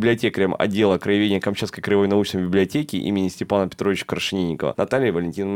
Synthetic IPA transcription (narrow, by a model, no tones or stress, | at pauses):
blʲɪɐtʲekɾʲəmɐ̰dʲːe̞lˠəkɾəjɪvʲenʲɪjəkɐmt͡ɕaskəjkɾəjɪvojnɐut͡ɕnəjbʲɪblʲɪɐtʲekʲɪ̰ʔḭmʲɪnʲɪsʲtʲɪpanəpʲɪ̥t̪ɾovɪt͡ɕə̥kɾəʂɨnʲinʲːɪkəvə̰nɐt̪alʲɪjəvəlʲɪnʲtʲinə